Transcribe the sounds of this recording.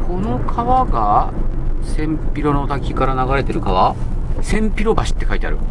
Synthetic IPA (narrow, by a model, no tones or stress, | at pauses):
kʰo̞no̞kʰaβaɡa | sẽ̞mpʲiɾo̞no̞t̪akʲikaɾanaɡaɾe̞t̪e̞ɾɯ̟kaβa | sẽ̞mpʲiɾo̞baɕi̥t̪ːe̞kait̪ea̰ɾɯ̟̰